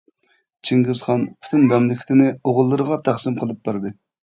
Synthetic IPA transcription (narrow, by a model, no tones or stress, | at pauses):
t͡ʃʰiŋɡɪzχɑnpʰy̥t̪ʰynmɛmlɪkʲʰt̪ʰɪnɪoʁʊlˠːɨɾəʁɑt̪ʰæχsɪmqʰəlˠɨp̚bæɾd̪ɨ